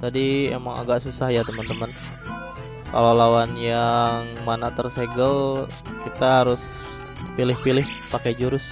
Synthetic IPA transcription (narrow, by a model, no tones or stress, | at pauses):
t̪adiḛmaŋa̰ɡaʔsusahjat̪əmənt̪əmən | ka̰lowlawanjaŋmanat̪ərseɡəl | kit̪aɦaɾʊs | pilɪhpilɪhpakɛd͡ʒuɾʊs